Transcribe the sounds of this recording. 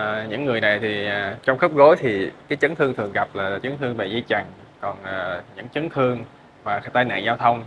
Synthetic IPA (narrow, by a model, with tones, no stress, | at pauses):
ɲɨ̰˧˥ŋːɨ˨˩əjna˨˩jt̪ʰi˨˩˨t͡ɕɔ˧wŋ͡mxə˦˥p̚ɣo˨˦jt̪ʰi˨˩kaː˨˦jt͡ɕə˨˦nt̪ʰɨ˧əŋt̪ɨ˨˩əŋɣa˨˩p̚laː˨˩t͡ɕɨ˨˦ŋt̪ʰɨ˧əŋve˨˩zi˧t͡ɕa˨˩ŋ | kɔ˨˩nʔːɲɨ̰˧˥ŋt͡ɕɨ˨˦ŋt̪ʰɨ˧əŋ | vaː˨˩t̪aː˧jna̰ː˧˨nzaː˧wt̪ʰə˧wŋ͡m